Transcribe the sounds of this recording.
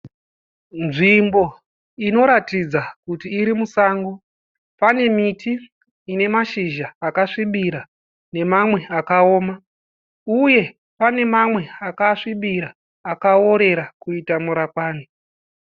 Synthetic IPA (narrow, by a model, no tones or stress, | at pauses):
nʐimbo̞ | ino̞ɾatid͡zakutiːɾimusaːŋɡo | pane̞mitiː | ne̞maʃiʒaːkaʂiɓiɾa | ne̞mamwe̞akao̞ːma | uje̞ | pane̞mamwe̞akaʂiɓiɾaː | kaoɾe̞ɾakuitamuɾakwaːni